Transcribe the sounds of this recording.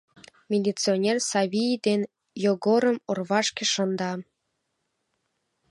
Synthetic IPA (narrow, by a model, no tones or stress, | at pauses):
mʲelʲit͡sionʲersɑβʲijd̪en | joɡoɾə̆morβɑʃkeʃə̆nd̪ɑ